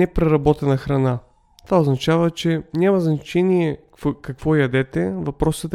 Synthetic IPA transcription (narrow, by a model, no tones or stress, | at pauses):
ɛpɾɛɾɐbɔt̪ɛnɐxɾɐna | t̪ovaoznɐt͡ʃavət͡ʃɛnʲamɐznɐt͡ʃɛniɛ | kɐkvɔjɐd̪ɛt̪ɛvɐpɾɔsət̪